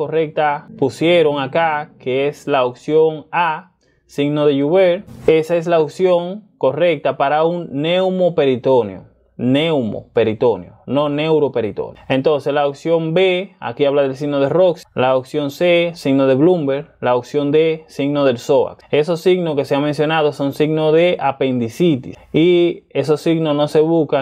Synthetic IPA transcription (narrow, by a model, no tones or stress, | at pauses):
kore̞k̚t̪apusje̞ɾo̞ŋakakeeslaoksjo̞ŋa | siɡnoðe̞ʝuβeɾe̞sae̞s̬laoksjo̞ŋko̞re̞k̚t̪apaɾauŋnewmope̞ɾit̪o̞njo̰ | newmo̰pe̞ɾit̪o̞njo̰no̞ne̞wɾo̞pe̞ɾit̪o̰ne̞nt̪o̞nseslawksjo̞mbea̰kiaβlaðels̬iɡnoðerokslaoksjo̞nsesiɡnoðeβlumbe̞ɾlaoksjo̞nd̪esiɡnoðe̞lso̞βa̰ke̞so̞sːiɡnoskeseaŋmensjo̞naðoso̞nsiɡnoðe̞ʔape̞nd̪isit̪ḭsie̞so̞sːiɡnosno̞se̞βuska